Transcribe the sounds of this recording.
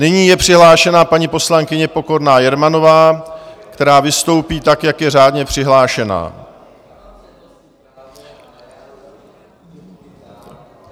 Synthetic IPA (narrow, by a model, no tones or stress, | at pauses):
nɪɲiːjɛpr̥ɪɦlaːʃɛnapaɲipo̞slaŋkɪɲɛpo̞ko̞ɾnaːjɛɾmano̞vaːkt̪ɛɾaːvɪst̪o̞wpiːt̪akjakjɛraːdɲɛpr̝̥ɪɦlaːʃɛna̰ː